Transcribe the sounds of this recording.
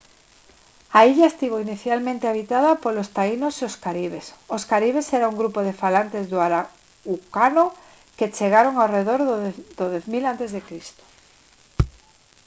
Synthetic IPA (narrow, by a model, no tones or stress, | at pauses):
aiʎaest̪iβoiniθjalmẽnt̪eaβit̪aðapolost̪ainoseoskaɾiβ̞esoskaɾiβ̞eseɾauŋɡɾupoðefalant̪ezðoaɾa | ukano | ket͡ʃeɣaɾoŋawreðoɾðd̪oðeθmilant̪ezðekɾist̪o̥